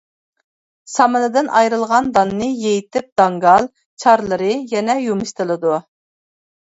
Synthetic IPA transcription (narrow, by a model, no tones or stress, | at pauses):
sɑmɨnɨd̪ɨnʔɑjɾɨlˠʁɑnd̪ɑnːɨjejit̪ɪp̚d̪̥ɑŋɡɑlˠ | t͡ʃʰɑɾlˠəɾɨjɛnɛjumɨʃt̪ɨlˠɨd̪u